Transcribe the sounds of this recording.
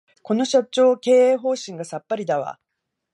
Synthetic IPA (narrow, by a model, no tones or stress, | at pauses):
ko̞no̞ɕat͡ɕo̞ːke̞ːeːɦo̞ːɕĩŋɡasapːaɾʲid̪aβa̰